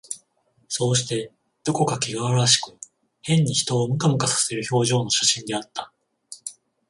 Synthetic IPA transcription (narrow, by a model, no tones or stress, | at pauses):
so̞ːɕi̥t̪e̞ | d̪̥o̞ko̞kakʲiɡaβaɾaɕi̥kɯ̟̥ | hẽ̞ɲ̟ːiçi̥t̪o̞ːmɯ̟kamɯ̟kasḁse̞ɾɯ̟ço̞ːʑo̞ːno̞ɕaɕĩnd̪e̞at̪ːḁ